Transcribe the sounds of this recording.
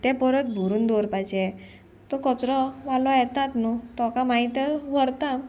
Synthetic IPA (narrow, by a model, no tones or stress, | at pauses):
t̪ɛpəɾət̪bʱuɾuːnd̪oɾpajd͡ʑeɛ | t̪ɔkɔt͡sɾɔʋalɔjɛt̪at̪nɔt̪ɔkamait̪əʋəɾt̪a